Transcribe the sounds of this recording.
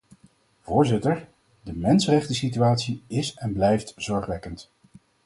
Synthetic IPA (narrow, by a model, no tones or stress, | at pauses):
v̥ʊːɹzɪtəɹ | dəmɛnsərɛχtəsityaːtsiɪsɛnblɛjftz̥ɔɹχʋɛkənt